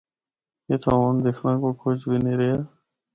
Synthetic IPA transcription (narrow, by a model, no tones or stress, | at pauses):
jeːt̪ʰaːʋaːnd̪ekʰnãːkoːkʰot͡ʃbineːɾejaː